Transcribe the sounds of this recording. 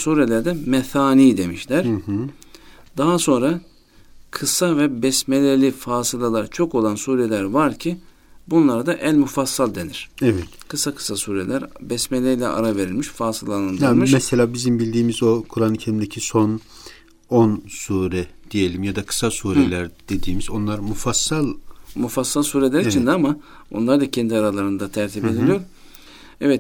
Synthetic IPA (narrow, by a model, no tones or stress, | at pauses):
suːɾelʲæɾd̪ɛmɛθaːniːd̪e̞miʃlʲæɾ | d̪aɦaso̞nɾa | kʰɯsavɛbɛsmelʲeɾlʲifaːsɯlˠalˠaɾt͡ʃʰo̞ko̞lˠansuːɾelʲæɾvaɾcʰi | bunlˠaɾad̪aʔænmufasːalʲˠd̪e̞niɾ̥ɛvɛt̪kʰɯsakʰɯ̥sasuːɾelʲæɾbɛsmelʲeilʲɛ̰ʔa̰ɾave̞ɾilʲmiʃfaːsɯlˠanɯnd̪aɯmɯʃmɛselʲaːbizimbilʲd̪iːmizo̞kʰuɾanicʰelʲimd̪ecʰison | onsuːɾɛd̪̥ije̞lʲimjad̪akʰɯ̥sasuːɾelʲæɾd̪̥e̞d̪iːmizo̞nlˠaɾmufasːalˠmufasːalˠsuːɾe̞lʲæɾit͡ʃʰind̪ɛama | o̰nlˠaɾd̪acʰɛnd̪iaɾalˠaɾɯnd̪at̪ʰæɾt̪ʰibe̞d̪ilʲijo̞ɾ | ɛvɛt̪